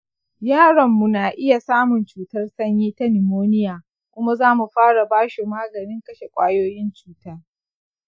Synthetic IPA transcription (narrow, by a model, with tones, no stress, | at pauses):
jaː˦˨ɽɐ˨mːu˨naː˨ʔɪ˦ja˨saː˦mʊ˨nt͡ʃuː˨tɐ˦rsɐ˦ɲjiː˦ta˦nɪ˨moː˦nɪ˦jaː˨ | kʷʊ˦ma˦zaː˦mu˨ɸaː˦ɽa˨baː˦ʃi˨maː˦ɡɐ˨nɪ˦ŋkɐ˦ʃe˨kʷʼaː˦joː˦jɪ˦nt͡ʃuː˦taː˦